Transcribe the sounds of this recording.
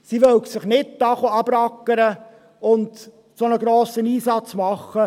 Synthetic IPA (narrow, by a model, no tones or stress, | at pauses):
siʋœwksɪχnɪt̚dɑχoɑb̥ɾɑkːəɾə | ʊnd | sonəɡɾoːsəniːsɑt͡smɑχːə